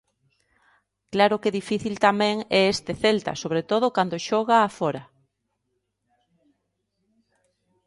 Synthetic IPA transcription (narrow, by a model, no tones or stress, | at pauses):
klaɾokeðifiθilt̪amɛ̃ŋɛest̪eθelt̪a̰soβɾet̪oð̞okand̪oʃɔɣaːfɔɾa